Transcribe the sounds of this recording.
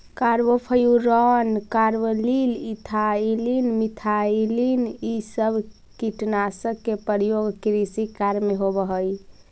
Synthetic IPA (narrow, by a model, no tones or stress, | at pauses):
kaɾbopʰəjuɾɔnkaɾbəlilit̪ʰailinmit̪ʰailinisəbʱ | kiʈnasəbkːepəɾjoɡkɾisikaɾmeɦobəɦəj